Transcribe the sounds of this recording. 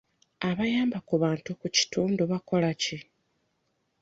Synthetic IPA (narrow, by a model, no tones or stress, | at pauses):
aβajaːmbakuβaːntukuci̥tuːnduβako̞laci